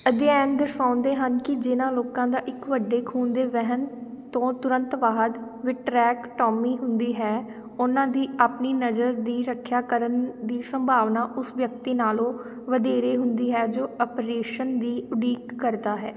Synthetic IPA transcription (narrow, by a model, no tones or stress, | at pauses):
əd̪eɛ̃ːnd̪əɾsãːnd̪eːɦənkɪd͡ʒɪnãːloːkãːd̪aːʔɪkʋəɖːeːkʰuːnd̪eːʋɛɦən | t̪õːt̪ʊɾə̃nt̪ʋaːɦd̪ | ʋɪʈɾɛːkʈɔːmiːɦʊnd̪iːɦɛː | ʊnãːd̪iːʔaːpniːnəd͡ʒəɾd̪iːɾəkʰːjaːkəɾənd̪iːsəmbʱaːʋnaːʔʊsʋjək̚t̪iːnaːlõː | ʋəd̪eːɾeːɦʊnd̪iːɦɛːd͡ʒoːɔpɾeːʃənd̪iːʊɖiːkːəɾd̪aːɦɛː